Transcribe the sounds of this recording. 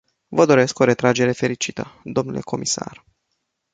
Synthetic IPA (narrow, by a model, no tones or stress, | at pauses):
vəd̪o̞ɾe̞sko̞ɾe̞t̪ɾad͡ʒe̞ɾe̞fe̞ɾit͡ʃit̪əd̪o̞mnule̞̰kʰo̞mʔisa̰r